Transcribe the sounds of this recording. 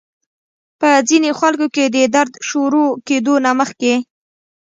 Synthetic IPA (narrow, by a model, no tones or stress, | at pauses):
pəzinexwalkoked̪əd̪aɾd̪ʃoɾoked̪onaməxke